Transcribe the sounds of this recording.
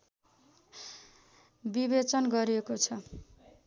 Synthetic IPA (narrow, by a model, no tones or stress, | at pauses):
bibet͡sʌnɡʌɾiekot͡sʰʌ